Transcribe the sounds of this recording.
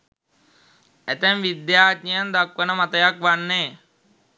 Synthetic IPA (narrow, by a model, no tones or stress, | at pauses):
æt̪ænʋid̪jaːt̪ɲijənd̪akʋənəmat̪əjakʋanːeː